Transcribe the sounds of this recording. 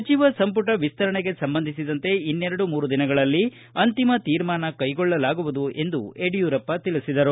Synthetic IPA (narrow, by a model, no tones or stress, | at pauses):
ɐt͡ʃiʋɐsɐmpuʈɐʋist̪ɐɾɐɳeɡe̞sɐmbɐnd̪ʱisid̪ɐnt̪e̞inːeɾɐɽumuːɾud̪inɐɡɐɭɐlːi | ɐnt̪imɐt̪iːɾmaːnɐkɐjɡɔɭːɐlaːɡuʋud̪uʔe̞nd̪ueɖijuːɾɐpːɐt̪ilisid̪ɐɾu